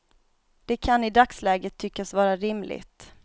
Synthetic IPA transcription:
d̪̥ɛkʰanɪd̪akslɛːɡət̪ʰːʏkːasvɑːɾaɾɪmlʔɪ̰ɡt̪

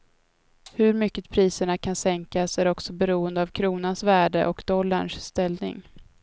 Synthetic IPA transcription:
hɵɾmʏkːəpʰɾiːsəɳakʰansɛŋkasæɾɔksɔbɛɾuːənd̪əavkʰɾuːnansvæːɖəʔɔkd̪̥ɔlːaɳʂst̪ɛlnɪ̰ŋ

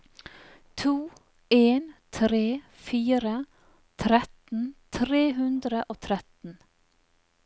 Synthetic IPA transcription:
t̪ʰuː | eːnt̪ʰɾeː | fiːɾə | t̪ʰɾɛt̪n̩t̪ʰɾeːɦʉnd̪ɾəʔoːt̪ʰɾɛt̪n̩

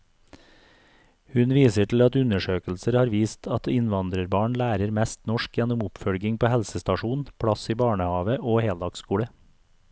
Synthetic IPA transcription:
hʉnʋiːsəʈl̩ɑt̪ʉnəʃøːkl̩səɾhɑːɾʋiːst̪ʰɑt̪ɪnʋɑnd̪ɾəɾbɑːɳlæːɾəɾmɛst̪nɔʃkjɛnʊmʊpfœlɡɪŋpoːhɛlsəst̪ɑʃuːnpʰɽɑsiːbɑːɳəhɑːʋəʔoːheːld̪ɑːɡskuːɽə

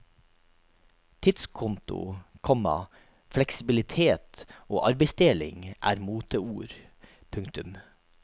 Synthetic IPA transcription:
t̪ʰɪt̪skʰʊnt̪ʊ̰kʰɔmɑ̰ | flɛksɪbɪlɪt̪ʰeːt̪oːʔɑɾbɛɪsd̪eːlɪ̰ŋʔæ̰ːɾmuːt̪əuːɾ | pʰʉŋkt̪ʉm

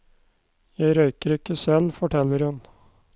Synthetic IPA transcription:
jæɪɾœʏkəɾɪkːəsɛlfɔʈʰɛlːəɾhʉn

